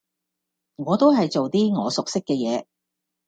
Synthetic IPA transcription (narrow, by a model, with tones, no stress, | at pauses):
ŋɔː˨˧t̪o˥wɦɐ˨jt͡so˨wt̪iː˥ŋɔː˨˧sʊ˨k̚sɪ˥kːɛː˧jɛː˨˧